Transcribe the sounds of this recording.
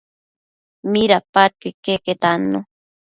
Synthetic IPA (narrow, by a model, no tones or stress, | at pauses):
miɾapat͡ʃikeket̪ano